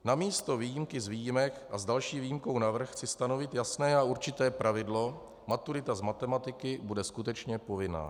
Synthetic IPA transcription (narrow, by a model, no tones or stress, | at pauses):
namiːst̪o̞viːjimkɪzviːjɪmɛkʔazdalʃiːvijimko̞wnavr̩xt͡sɪst̪ano̞vɪt̪jasnɛːauɾt͡ʃɪt̪ɛːpɾavɪdlo̞ | mat̪uɾɪt̪azmat̪ɛmat̪ɪkɪbudɛskut̪ɛt͡ʃɲɛpo̞vɪna̰ː